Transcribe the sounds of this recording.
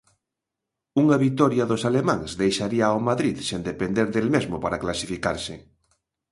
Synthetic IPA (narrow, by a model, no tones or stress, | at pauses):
uŋaβit̪ɔɾjaðosalemãŋzðejʃaɾiawmaðɾiðsend̪epend̪eɾðelmezmopaɾaklasifikaɾsɪ